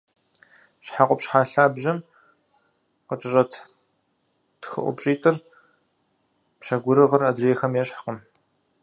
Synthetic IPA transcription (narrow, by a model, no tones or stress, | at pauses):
ɕħaqʷʊpɕħaːɬaːbʑɐm | qət͡ʃʼɪɕʼɐtʰ | txɨ̰ʔʷʊ̰pɕʼiːtʰʼɨr | pɕɐɡʷʊɾɨʁɐrɐdreːxɐmjɛɕħaqəm